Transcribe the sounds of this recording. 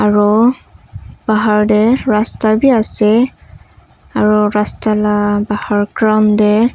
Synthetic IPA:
aɹu | b̥aɦaɹdɛɹastabiasɛ | aɹuɹastalabahaɹkɹɔndɛ

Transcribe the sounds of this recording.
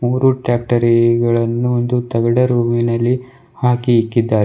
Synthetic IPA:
muːɾuʈaːp̚ʈɐɾiɡɐɭɐnːuond̪ut̪ɐɡɐɽɐɾuːminɐlːi | haːkiːkːid̪ːaːɾ

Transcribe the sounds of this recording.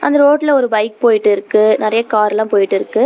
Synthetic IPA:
ʔɐ̰nd̪ɐɾoːʈːɪlɐɔɾɯbɐɪk̚poːjɪʈːɯɪɾɯkːɯnɪɾɐjɐkaːɾlãːpoːjɪʈːɪɾɯkːɯ

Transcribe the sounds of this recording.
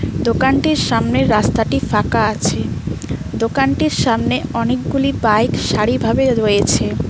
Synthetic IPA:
d̪okanʈiɾʃamneɾːast̪aʈifakaat͡ɕʰe | d̪okanʈiɾʃamneɔnek̚ɡulibajkʃaɾibʱabeɾojet͡ɕʰe

